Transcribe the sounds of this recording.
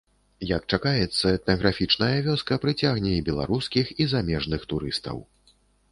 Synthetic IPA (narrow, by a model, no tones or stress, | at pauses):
jɐk̚t͡ʂakajɛt̪sːɐɛt̪nɐɣɾafʲit͡ʂnɐjɐvʲɔskɐpɾɨt͡sʲaɣnʲɛibʲɛlˠa̰ɾuskʲixizamʲɛʐnɨxt̪uɾɨst̪ɐ̰w